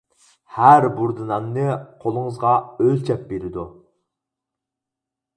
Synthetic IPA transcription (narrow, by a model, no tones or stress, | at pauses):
hæɾbuɾd̪ɨnɑnːɨqʰolˠəŋəzʁɑølʲt͡ʃʰɛp̚beɾɪd̪u